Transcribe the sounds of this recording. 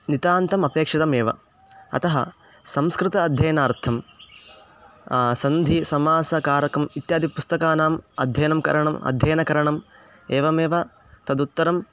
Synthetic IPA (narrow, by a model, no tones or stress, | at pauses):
nit̪aːnt̪ɐmɐpeːkʂɐt̪ɐmeːʋɐ̰ | ɐ̰t̪ɐɦɐ̰ | sɐmskɾɪt̪ɐːd̪ʱjɐjɐnaːɾt̪ʰɐm | sɐnd̪ʱisɐmaːsɐkaːɾɐkɐmit̪jaːd̪ipust̪ɐkaːnaːmɐ̰d̪ʱjɐjɐnɐmkɐ̰ɾɐɳɐmɐ̰d̪ʱjɐːnɐkɐɾɐɳɐm | eːʋɐmeːʋɐ | t̪ɐd̪ut̪ːɐɾɐm